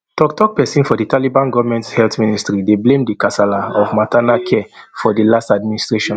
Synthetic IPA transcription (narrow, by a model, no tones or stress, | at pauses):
tɔktɔk̚pɛsĩnfɔditalibãnɡɔvamɛ̃nthɛltministɹideblẽmdikasalaɔvmatanakʰɛfɔdilastadministɹeʃɔ̃n